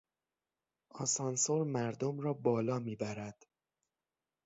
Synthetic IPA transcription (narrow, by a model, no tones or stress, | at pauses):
ʔɒ̰sɒnsoɾmæɾd̪omrɒːbɒːlɒːmiːbæɾæd̪̥